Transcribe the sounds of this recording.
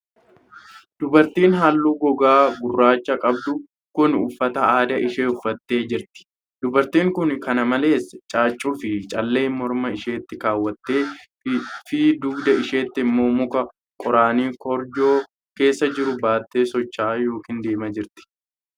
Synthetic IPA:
d̪̥ʊbɐɾt̪iːnɦalːuːɡɔɡaːbʊrːaːt͡ʃːɐkʼɐbd̪ʊ | kʊnʊfːɐt̪ɐaːd̪ɐʔɪʃeːʊfːɐt̪ːe̞ːd͡ʒɪɾt̪ɪ̥ | d̪ʊbɐɾt̪iːŋkʊnkɐnɐmɐle̞ːst͡ʃʼaːt͡ʃʼːufɪt͡ʃʼɐlːe̞ːmɔɾmɐɪʃe̞ːt̪ːɪkaːwːɐt̪ːe̞ː | fiːd̪ʊɡd̪ɐɪʃe̞ːt̪ːɪɪmːo̞ːmʊkɐ | kʼɔɾaːniːkɔɾd͡ʒo̞ː | ke̞ːsːɐd͡ʒɪɾʊbaːt̪ːeːsɔt͡ʃːaːjo̞ːkind̪e̞ːmɐd͡ʒɪɾt̪ɪ̥

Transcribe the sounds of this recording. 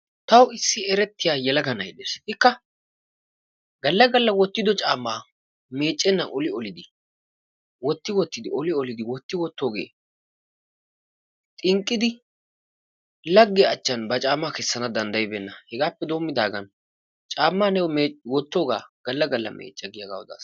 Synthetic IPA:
t̪ɐwɪsːɪɛɾɛt̪ːɪjaːjɛlɐɡɐnɐjd̪ɛsɪt̪ɪkːɐ | ɡɐlːɐɡɐlːɐwɔt̪ːɪd̪ɔt͡ʃʼaːmːaː | me̞ːt͡ʃʼːɛnːɐnʔɔlɪɔlɪd̪ɪ | wɔt̪ːɪwɔt̪ːɪd̪ɪɔlɪɔlɪd̪ɪwɔt̪ːɪwɔt̪ːoːɡḛː | t̪ʼɪŋkʼːɪd̪ɪ | lɐɡːɪːt͡ʃːɐnbɐt͡ʃʼaːmːaːkɛsːɐnɐd̪ɐnd̪ɐjɪbɛnːɐhɛɡaːpːɛd̪o̞ːmːɪd̪aːɡɐn | t͡ʃʼaːmːaːnɛwɔmeːwɔt̪ːoːɡa̰ːɡ̥ɐlːɐɡɐlːɐ̰mʔḛːt͡ʃʼːɐɡɪjɐɡa̰ːwɔd̪a̰ːs

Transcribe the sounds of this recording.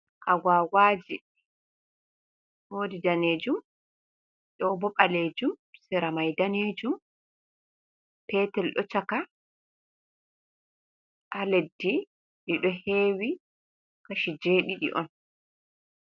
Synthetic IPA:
ʔaɡaːwaːd͡ʒi | hoːdidaneːd͡ʒum | ɗɔbɔɓaleːd͡ʒumsɛɾamajdaneːd͡ʒum | pɛtɛlɗɔt͡ʃaka | ʔaledːi | ɗiɗɔheːwi | kaʃid͡ʒeːɗiɗḭʔɔ̰n

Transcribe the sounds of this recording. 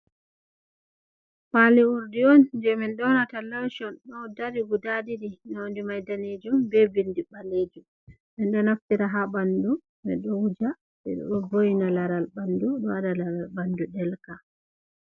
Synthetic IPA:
paliuɾdiɔnd͡ʒɛmɛnɗɔnatalawʃɔnɗɔdaɾiɡudadiɾinandimajdaned͡ʒumbɛbindibaleːd͡ʒum | mɛnɗɔnaftiɾaɦabandu | mɛ̰ɗɔud͡ʒa | ɓɛ̰ɗɔ̰ɗɔbojinalaɾalbanduɗɔadalaɾalbanduɗɛlka

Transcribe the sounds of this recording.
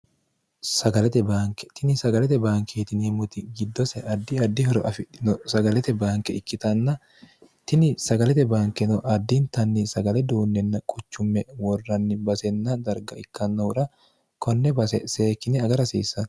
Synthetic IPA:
sɐɡɐlɛt̪ɛbaːŋkɛt̪ɪnɪsɐɡɐlɛt̪ɛbaːŋkʰeːt̪ɪneːmːʊt̪ɪɡɪd̪ːɔsɛʔɐd̪ːɪɐd̪ːɪhɔɾɔʔɐfɪᶑɪnɔsɐɡɐlɛt̪ɛbaːŋkɛɪkːɪt̪ɐnːɐ | t̪ɪnɪsɐɡɐlɛt̪ɛbaːŋkɛnɔʔɐd̪ːɪnt̪ɐnːɪsɐɡɐlɛd̪uːnːɛnːɐkʼʊt͡ʃːʊmːɛwɔrːɐnːɪbɐsɛnːɐd̪ɐɾɡɐɪkːɐnːɐʊɾɐ | kɔnːɛbɐsɛseːkːɪnɛɐɡɐɾɐsḭːsːɐn

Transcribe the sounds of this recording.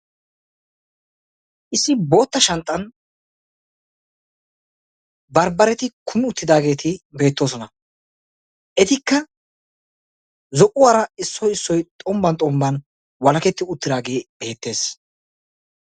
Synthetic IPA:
ʔɪsːɪbo̞ːt̪ːɐʃɐnt̪ʼːɐn | bɐɾbɐɾɛt̪ɪkʰʊmɪʊt̪ːɪd̪aːɡe̞ːt̪ɪbe̞ːt̪ːoːsɔnɐ | ʔɛt̪ɪkːɐ | zɔʔʊwaːɾɐɪsːɔjɪsːɔjt̪ʼɔmbɐnt̪ʼɔmbɐn | wɐlɐkɛt̪ːɪʊt̪ːɪd̪aːɡe̞ːbe̞ːt̪ːe̞ːs

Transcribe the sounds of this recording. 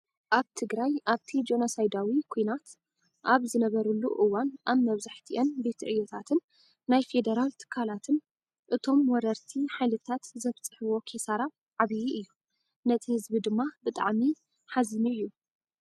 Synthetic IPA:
ʔaβt̪ʰɨɡɾajʔaβt̪ʰid͡ʒonosajd̪awikʰujnat̪ | ʔaβzɨnɐβɐɾulːuʔɨwanʔaβmɐβzaħt̪ʰiʔɐnbe̞t̪ʰʕɨjot̪ʰat̪ʰɨnː | ajfe̞d̪ɐɾalt̪ʰɨ̥kʰːalat̪ʰɨn | ʔɨt̪ʰo̞mwɔɾɐɾt̪ʰiħajlɨt̪ʰat̪zɐft͡sʼɨħɨβo̞kʰesaɾa | ʕaβijiʔɨjːu | nɐt̪ʰihɨzbid̪ɨmːabɨt̪ʼa̰ʕmi | ħazɨnuʔɨjːu

